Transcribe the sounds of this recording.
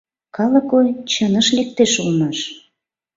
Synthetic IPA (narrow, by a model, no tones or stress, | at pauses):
kɑləkojt͡ɕənə̆ʃlek̚t̪eʃulnɑʃ